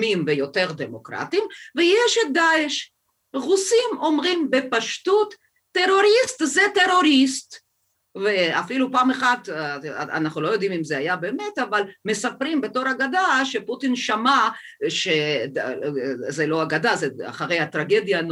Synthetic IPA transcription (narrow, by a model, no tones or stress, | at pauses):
mimvejo̞t̪e̞ʁd̪emokʁa̰t̪imvejeʃed̪aeʃ | ʁusimo̞mʁimbepaʃtut̪ː | e̞ʁo̞ʁist̪zet̪e̞ʁo̞ʁist̪ | veafilupaːmeχad̪a̰naχnulo̞jo̞d̪imimzeajabemet̪avalmesapʁimbeto̞ʁaɡad̪aʃeput̪inʃama | ʃe | zelo̞aɡad̪azea̰χaʁe̞jhat̪ʁaɡe̞d̪jan